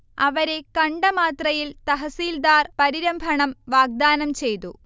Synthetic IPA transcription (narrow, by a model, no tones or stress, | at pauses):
ɐʋɐɾe̞kɐɳɖɐmaːt̪rɐjilt̪ɐɦɐsiːld̪aːrpɐɾiɾɐmbʱɐɳɐmʋaːɡ̚d̪aːnɐmt͡ɕe̞jt̪ṵ